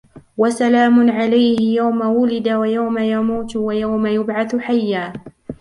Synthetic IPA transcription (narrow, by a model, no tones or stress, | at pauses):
wasalaːmʊʕalajhɪjawmawʊlɪd̪awajawmajamuːt̪wajawmajʊbʕaθħajːaː